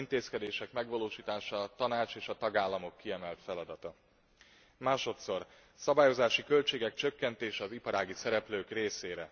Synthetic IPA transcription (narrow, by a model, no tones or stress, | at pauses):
int̪eːskɛd̪eːʃɛkmɛɡʋɒloːʃiːt̪aːʃɒːt̪ɒnaːt͡ʃeːʃɒt̪ɒɡaːlːɒmo̞kːiɛmɛlt̪fɛlɒd̪ɒt̪ɒ | maːʃo̞t̪so̞r | sɒbaːjo̞zaːʃikølt͡ʃeːɡɛk̚t͡ʃøkːɛnt̪eːʃɛɒzipɒɾaːɡisɛɾɛpløːkreːseːɾɛ